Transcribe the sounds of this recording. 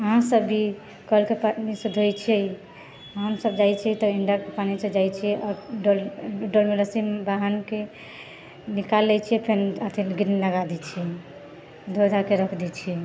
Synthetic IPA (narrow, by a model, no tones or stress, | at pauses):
əɦãsəbːi | kəlkepanisəd̪ʱojt͡ʃʰijɛj | ɦəmsəbd͡ʒajt͡ʃʰiɛt̪ɔiɳɖaɾkepanised͡ʒajt͡ʃʰijɛʔɔːɾɖolɖolmeɾəsimbaɦənke | nikalːɛt͡ʃʰijɛpʰenət̪ʰinɡɾniləɡad̪ɛt͡ʃʰijɛ | d̪ʱod̪ʱakeɾəkʰd̪ɛt͡ʃʰijɛ